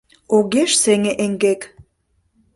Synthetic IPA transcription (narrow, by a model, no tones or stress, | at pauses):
oɣeʃseŋeʔeŋɡek